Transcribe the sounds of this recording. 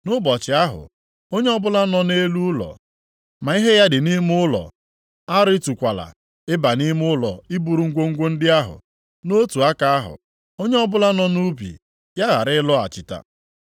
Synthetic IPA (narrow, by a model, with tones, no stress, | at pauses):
nʊ˦bɔ˨t͡ʃɪ˨a˦ɦʊ̰˨ | o˦ɲe˦ɔ˦bʊ˦la˦nɔ˦ne˦lu˦ʊ˦lɔ̰˨ | ma˨i˦ɦe˦ja˦dɪ˨ni˦m˦ʊ˦lɔ̰˨ | a˦ɾɪ˦tu˨kʷa˨la̰˨ | ɪ˦ba˨ni˦m˦ʊʊ˦lɔ˨i˦bu˨ɾu˨ŋ̩˦ɡʷo˦ŋ̩˦ɡʷo˦n̩˦dɪ˦a˦ɦʊ̰˨ | no˦tu˨a˦ka˦a˦ɦʊ̰˨ | o˦ɲe˦ɔ˦bʊ˦la˦nɔ˦nu˦bḭ˨ | ja˦ɣa̰˨ɾɪ˦ɪ˦lɔ˦a̰˨t͡ʃɪ˨ta̰˨